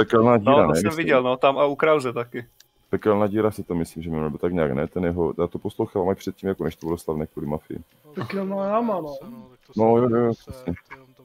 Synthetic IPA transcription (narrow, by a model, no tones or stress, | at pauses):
pɛkɛlnaːɟiːɾanɛmɛviɟɛlnot̪amaukɾawzɛt̪akɪ | pɛkɛlnaːɟiːɾasɪt̪omɪsliːmʒɛmɪnulbɛt̪aɡɲɛaːɡnɛt̪ɛnjɛɦojaːt̪oposlowxaːvaːmajpr̥ɛt̪̚ciːmjakonɛʃt̪obɪlost̪avnɛːkʋuːlɪmafɪɪ̰ | pɛkɛlnaːjamano | nojojojopr̥ɛsɲɛ